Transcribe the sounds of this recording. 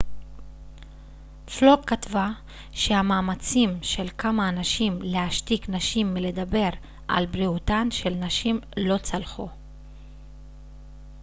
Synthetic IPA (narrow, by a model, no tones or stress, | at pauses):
floɡ̚katva | ʃeamaːmat͡simʃe̞lkʰamaːnaʃimleaʃtiknaʃimːile̞d̪abe̞ʁ | ʔa̰lbʁiutanʃe̞lnaʃimlo̞t͡salχu